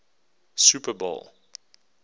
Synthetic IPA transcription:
supəbɔ̰lˠ

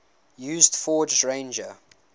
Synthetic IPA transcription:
jʉːzdfɔːd͡ʒɹẽɪ̃nd͡ʒə

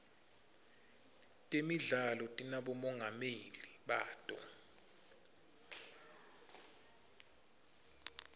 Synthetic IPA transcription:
tʼemiɮalɔtʼinaɓɔmɔŋɡʱameliɓaːtʼɔ

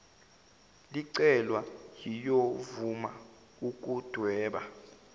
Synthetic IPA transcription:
liǀɛlwajijovuma | uk̬ʼud̥ʱwɛːɓa

